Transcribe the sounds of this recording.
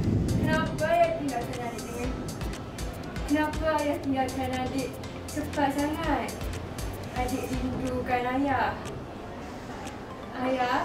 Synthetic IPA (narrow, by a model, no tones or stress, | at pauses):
kənapajaht̪iŋɡakanadɪʔdəŋan | kənapaːjaht̪iŋɡakanadɪʔ | səpaʔsaŋat̪̚ | adɪʔdindukanajah | aja